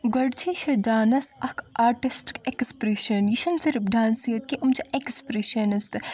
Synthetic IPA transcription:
ɡɐɽt̪ʰiʃɐdaːnɐsɐkʰaːɾʈisʈkekspɾeʃɐnjiʃɐnsiɾpɖ̪ʱãːnsijɐt̪̚kiʔumt͡ʃʰɐʔekspɾeʃɐnist̪

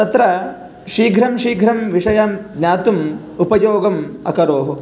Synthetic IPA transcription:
t̪ɐt̪ɾɐ | ʂɾiːɡʱɾɐmʃiːɡʱɾɐmʋiʂɐjaːmɡɲʲaːt̪um | upɐjoːɡɐmɐ̰kɐɾoːɦu

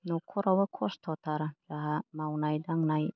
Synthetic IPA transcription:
nɔkʰɔɾawakʰɔst̪ʰɔt̪aɾd͡ʒaɦamawnajdaŋnaj

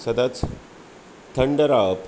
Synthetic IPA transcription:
səd̪at͡s | t̪ʰːəɳɖəɾap

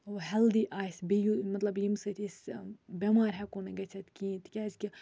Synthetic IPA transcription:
oɦɛld̪iʔaːjsbijumɐt̪lɐbjimsɨt̪ʰisbʲemaːɾʲɦɛkoneɡɐt͡sʰɐt̪kʲĩːt̪ʰikʲazkʲi

